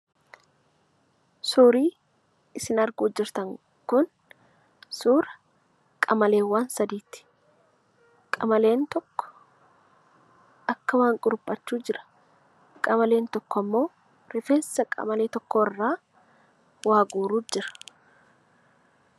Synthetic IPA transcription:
suːɾiː | ɪsɪnɐɾɡʊːd͡ʒːɪɾt̪ɐŋ | kʊn | suːɾɐ | kʼɐmɐle̞ːwːaːnsɐd̪iːt̪ːɪ̥ | kʼɐmɐle̞ːnt̪ɔkːɔ̥ | ʔɐkːɐwaːŋkʼʊɾʊpʼːɐt͡ʃːuːd͡ʒɪɾɐ̥ | kʼɐmɐle̞ːnt̪ɔkːɔɐmːo̞ː | ɾɪfeːnssɐkʼɐ̰mɐleːt̪ɔkːoːɪrːaː | waːɡuːɾuːd͡ʒɪɾɐ̥

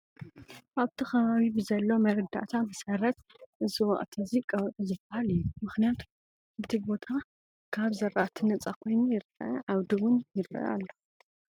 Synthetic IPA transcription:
aβt̪ʰixɐβaβibɨzɐlːo̞mɐɾɐd̪a̰ʔt̪ʰabɨsɐɾɐt̪̚ | ʔɨziwɐ̰ʔʼt̪ʰɐzikʼɐwtʼuzɨbahalɨjːumɨxnijat̪ʰ | ɨt̪ʰibo̞t̪ʰa | kʰaβzɐɾʔat̪ʰinɐt͡sʼakʰo̞jnujɪɾɐʕaβd̪iwʊnjɪɾɐ̰ʔa̰lːo

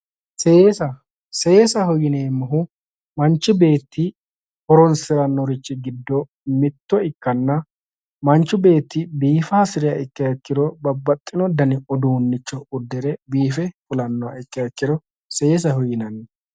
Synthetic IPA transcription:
se̞ːsɐ | se̞ːsɐhɔjːɪneːmːɐɦʊ | mɐnt͡ʃːɪbe̞ːt̪ːɪ | hɔɾɔnsɪɾɐnːɔɾɪt͡ʃːɪɡɪd̪ːɔ | mɪt̪ːɔɪkːɐnːɐ | mɐnt͡ʃːʊbe̞ːt̪ːɪbiːfɐsɪɾɪjɐʔɪkːɐjɐkːɪd̪ɔbɐbːɐt̪ʼːɪnɔd̪ɐnɪɔd̪uːnːɪt͡ʃːɔʊd̪ːɛɾɛbiːfɛfʊlɐnːɔɐ̰ɪkːɐjɐkːɪd̪ɔ | seːs̬ɐhɔjːɪnɐn

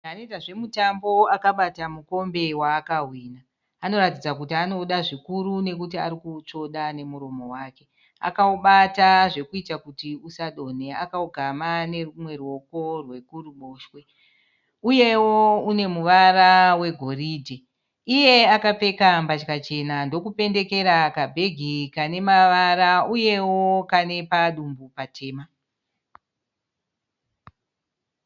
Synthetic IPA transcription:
anoitaʐe̞mutambo̞akaɓatamuko̞mbe̞waːkaɦwiːnaː | no̞ɾatid͡zak̬utiano̞ɗaʐikuɾune̞kutiaɾikut͡ʂo̞ɗane̞muɾo̞mo̞waːke̞ | a̰kauɓataʐe̞kuitakutiusaɗo̞ne̞akauɡʱamane̞mwe̞rwo̞ko̞rwe̞kuruɓo̞ːʃwe̞ | uje̞woune̞muʋarawe̞ɡʱo̞riːdʱe | ije̞akap͡fe̞kambat͡ʃkat͡ʃe̞nando̞kupe̞nde̞ke̞ɾakabʱe̞ɡʱikane̞maʋaɾauje̞wo̞kane̞paɗumbupatʰe̞ːma

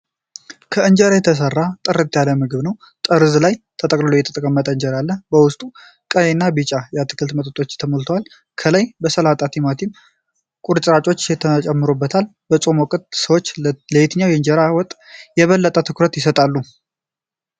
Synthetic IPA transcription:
kʰəɨɲd͡ʒəɾajɛt̪ʰəs̬ərːat̪ʼɨrɨt̪ʼːjaləmɨɡɨβnəw | t̪ʼəɾɨzlajt̪ʰət̪ʼəkʼlɨlojɛt̪ʰə̥t̪ʼəkʼəmːət̪ʼəɨɲd͡ʒəɾalːəbəwʊst̪ʼu | kʼəjenːabɨt͡ʃʼajat̪ʰːɨ̥kʰɨlt̪mət̪ʼət̪ʼo̞t͡ʃːt̪ʰəməlt̪ʰəwal | kʰələjbəsəlat̪ʼat̪ʰimat̪ʰim | kʼuɾt͡ʃʼɾat͡ʃʼo̞t͡ʃːjɛt̪ʰət͡ʃʼɛmːɨɾobːət̪ʰal | bət͡sʼo̞mɔkʼɨt̪səwot͡ʃːləjet̪ɲːawjɛɨɲd͡ʒɛɾawɔt̪ʼjɛβəlːət̪ʼət̪ʰɨkʰɾət̪jɪsət̪ʼalːu

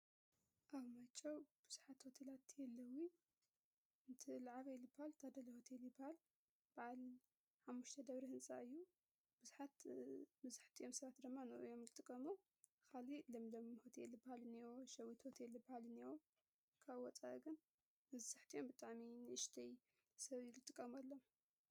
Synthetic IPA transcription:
ʔaβmat͡ʃʼːɐwb̥ɨz̥uħat̪hot̪ʰelat̪ʰjɛlːɐwi | ɨnt̪ʰɨlaʕaβjɛlːɨbahalt̪ʰɐd̪ɐlɐhot̪ʰelibɐhal | b̥aʕal | ħamːuʃt̪ʰɐd̪ɐβɾihɨnsʼa̰ɨjːu | b̥ɨzuħat̪mɐzaħt̪ʰiʔo̞msɐβat̪d̪ɨmːanɨʔɨjo̞mlɨt̪ʼːɨkʼːɐmu | kʰalilɐmlɐmhot̪ʰɛlːɨbahalɨnioʃɐwːit̪hot̪ʰelːɨbɐhalɨnio | kʰaβwɔt͡sʼa̰ɡɨn | mɐzaħt̪ʰiʔo̞mbɨt̪ʼaʕminɨʔɨʃt̪ʰɐj | sɐβlɨt̪ʼɨkʼːɐmɐlːom

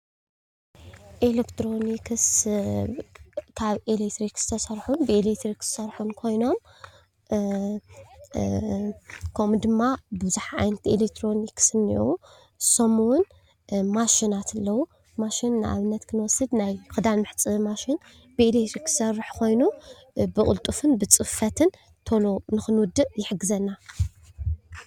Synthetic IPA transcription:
ʔelekt̪ʰɾo̞nikʰɨs | kʰaβelet̪ʰɾikz̥ɨ̥t̪ʰɐsɐɾħunbɨelekt̪ɾikz̥ɨ̥sɐɾħunkʰo̞jno̞m | kʰomd̪ɨmːabɨɨzuħaa̰jnɐt̪ʰielekt̪ʰɾo̞niksɨnːḭʔu | somuwʊn | maʃinat̪ʰɐlːɐwu | maʃinːɨʔa̰βɨnːɐt̪kʰɨnɨwɔsːɨd̪najxʰɨd̪almɨħt͡sʼɨmaʃin | bɨelekt̪ʰɾikɨ̥sɐrːɨħkʰo̞jnu | bɨkʼʊ̰lt̪ʼufɨnbɨt͡sʼɨfɐt̪ʰɨn | t̪ʰolonɨxɨnwʊd̪ːɨʔjɪħɨɡːɨzɐnːa

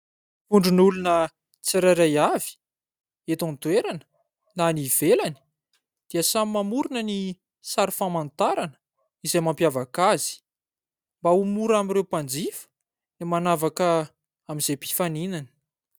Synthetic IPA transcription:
uɳɖ͡ʐunulunə | t͡siɾaɾajavi̥ | et̪ãnt̪weɾanə̥ | nanivelani̥ | d̪̥iəsamimamuɾunəni | saɾifamant̪aɾanə̥ | izejmampjavakaz̥i̥ | mbaumuɾamiɾewpand͡zifə̥ | nimanavakə | amiz̥ejpi̥faninanə̥

